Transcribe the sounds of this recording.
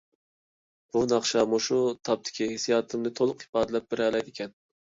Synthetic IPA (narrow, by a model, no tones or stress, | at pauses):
b̥unɑχʃɑmoʃut̪ʰɑp̚t̪ʰɪ̥kʲʰihesijɑːt̪ʰɨmnɨt̪ʰolˠʊqi̥pɑːd̪ɪlɛp̚bɪɾɛlɛjd̪ɪkʲʰɛn